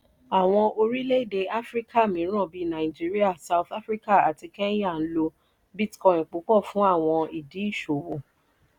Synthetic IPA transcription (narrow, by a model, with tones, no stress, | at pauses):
a˨w̃ɔ̃˧ʔo˧ɾi˦le˦i˦˨de˧ʔa˦fɾi˦ka˦˨mĩ˨˦ɾ̃ã˦˨bi˧˦nã˨i˨d͡ʒi˨˦ɾi˦a˦˨sa˧wθa˦fɾi˦ka˦˨a˨ti˧kɛ˦j̃a˦˨n̩˦lo˧ | bi˦tkɔ̃˧˨ĩ˨k͡po˨˦k͡pɔ˦˨fũ˦a˦˨w̃ɔ̃˧i˨di˨˦i˦˨ʃo˨o˨